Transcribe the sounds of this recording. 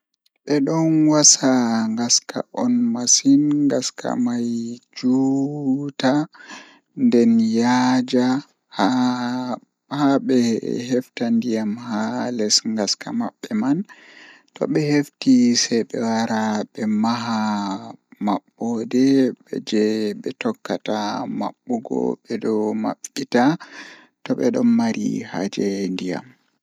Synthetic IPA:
ɓɛɗɔnwasaŋɡaska̰ʔɔnmasinŋɡaskʰa̰majd͡ʒuːta | ndɛnjad͡ʒa | ha | haɓɛhɛftandijamhalɛsŋɡaska̰maɓːɛmantɔ̰ɓɛheftisɛjɓɛwaɾaɓɛmaɦa | maɓːɔdɛɓɛ̰d͡ʒɛɓɛtɔkːatama̰ɓːɔɡɔ̰ɓɛdɔma̰ɓita | tɔɓɛ̰ɗɔnːaɾḭha̰d͡ʒɛndija̰m

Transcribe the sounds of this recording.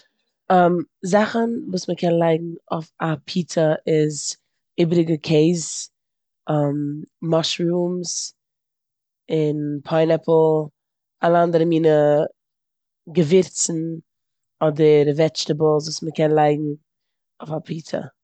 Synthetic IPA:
amzaχənvuːsməkʰɛnlˠaɪɡŋ̩ʊfapʰiːtʰəʔɪz | ɪbɾɪɡəkʰeɪz | ʔammɔʃɾuːms | ɪnpʰɔɪnɛpl̩ˠ | alˠəandəɾəmiːnə | ɡəvɪɾt͡sn̩ | ɔdəɾvɛt͡ʃtəbl̩ˠsvuːsməkʰɛnlˠaɪɡŋ̩ | ʊfapʰiːtʰə̰

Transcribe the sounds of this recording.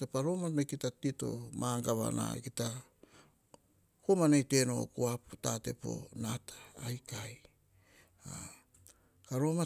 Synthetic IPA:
tapaɾo̞mamekitatito̞̰maŋɡaβa̰na̰kita | komanejte̞no̞̰kuaptate̞po̞̰natʰḁːjkaj | a | kaɾo̞ma

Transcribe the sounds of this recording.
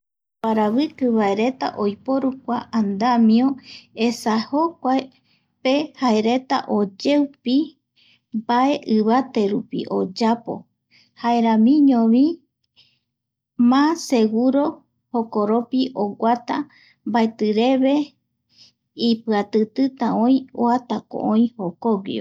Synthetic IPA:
paɾaβɨkɨβae̞ɾe̞t̪a̰ʔojpo̞ɾukʷaʔand̪amiõesaho̞kʷae | pe̞haeɾe̞t̪a̰ʔo̞d͡ʒe̞wpi | baʔe̞ʔɨβat̪e̞ɾupḭʔo̞̰d͡ʒapo̰ | haeɾãmĩɲõβi | mãse̞ɡuɾo̞ | hokoɾopiʔoɡʷat̪a | mbaet̪ɨɾe̞βe̞ | ipɨat̪ɨt̪ɨt̪aõĩo̰at̪ako̰ʔõĩhokoɡḭo̰

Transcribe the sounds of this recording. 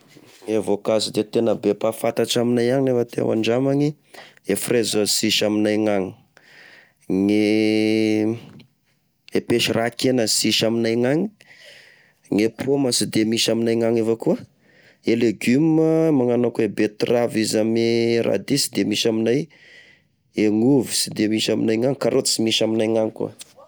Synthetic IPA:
ŋevokazid̪et̪enəbepafat̪aʈ͡ʂaminajaŋilefət̪ḛwa̰ɳɖ͡ʐamaɲi | efrezəsiʃaminajŋaŋi | ŋe | epeʃirʔakenəsiʃaminajŋaŋi̥ | ŋepʰoməsid̪emiʃaminajŋaŋevakuə | eleɡyməmaŋanakuebet̪ravizamirʔa̰d̪isi̥d̪emiʃaminaj | eŋuvisid̪emiʃamḭnajŋaŋkaɾʔot̪simiʃaminajŋaŋkṵə

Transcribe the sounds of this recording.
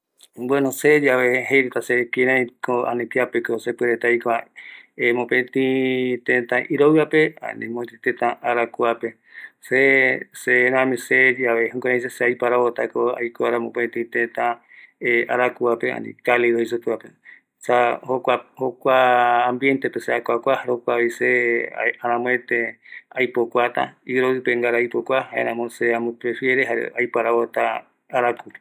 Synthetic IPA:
bwenosed͡ʒaβeɦejɾet̪asekiɾãĩkoa̰nĩpiapekosepeɾet̪ajkoaemõpẽt̪ĩt̪ẽt̪ãʔiɾoɨapea̰nḭ̃mõt̪ĩt̪et̪ãʔaɾakuape | seseɾãmĩsed͡ʒaehũkʷãɾãjseseajpaɾaβot̪akoa̰jkoaɾãmõpẽt̪ĩt̪ẽt̪ã | eaɾakuapea̰nḭ̃kaleɾoisopɨape | sahokʷahokʷaːmbje̞nt̪epeseakʷakʷahaɾokʷaβiseaɾãmõet̪eajpokʷat̪a̰iɾoɨpeŋɡaɾaajpokʷahaʔḛ̃ɾãmoseãmõpɾefjeɾeɦaḛajpaɾaot̪a | aɾaku

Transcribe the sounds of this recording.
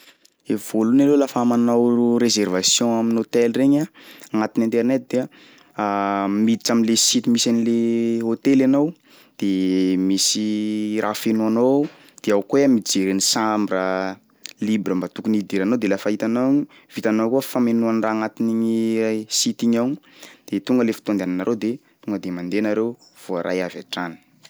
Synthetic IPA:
evolunalolafamanawɾezervasjɔ̃aminot̪elreɲaaŋat̪inĩnt̪ernet̪̚d̪̥e | mid̪it͡saminlesit̪imisanileɦot̪elanow | d̪̥emisirʔafenuano | d̪̥eawkoamid͡zeɾenisambɾə | libɾəmbat̪ukunid̪iɾanowd̪elafaɦit̪anaɲi | v̥it̪anowkuəfamenuanraːŋat̪iniɲiajsit̪iɲawɲ | d̪̥et̪uŋɡəlefi̥t̪oand̪eananaɾʔewd̪e | t̪uŋɡəd̪emand̪enaɾew | v̥oaɾʔa̰javaʈ͡ʂanə̥

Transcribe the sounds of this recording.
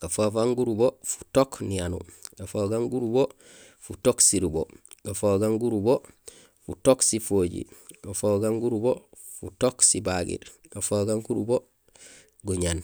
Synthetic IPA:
ɡ̥afofaŋɡuɾubofu̥toknianṵɡ̥afoɡaŋɡuɾubo | futoksiɾubo̰ɡ̥afoɡaŋɡuɾubo | futoksifoɟḭɡafoɡaŋɡuɾubo | fṵtoksibaɡḭɾ | ɡafoɡaŋkuɾubo | ɡuɲan

